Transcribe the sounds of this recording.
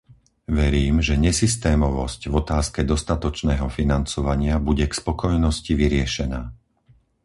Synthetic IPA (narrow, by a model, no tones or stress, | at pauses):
ʋɛɾiːmʒɛɲɛsist̪ɛːmɔʋɔscvɔt̪aːskɛd̪ɔst̪at̪ɔt͡ʃnɛːɦɔfinant͡sɔʋaɲɪabuɟɛkspɔkɔjnɔsciʋiɾɪɛʃɛnaː